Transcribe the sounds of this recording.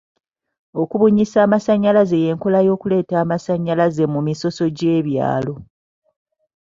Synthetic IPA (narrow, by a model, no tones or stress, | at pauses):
o̞kuβuɲisaːmasaɲːalaze̞je̞ːŋkolajo̞ːkule̞ːtaːmasaɲːalaze̞mumiso̞so̞ɟe̞ːβja̰ːlo̞